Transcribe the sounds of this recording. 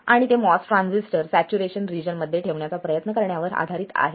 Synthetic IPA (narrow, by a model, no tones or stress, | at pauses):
aɽ̃it̪emɔsʈɾãnsisʈəɾsæt͡ɕuɾeɕənɾid͡ʑənməd̪ʱːjeʈʰeʋɳjat͡sapɾəjət̪nəkəɾɳjaʋəɾa̰d̪ʱaɾiːt̪a̰ɦe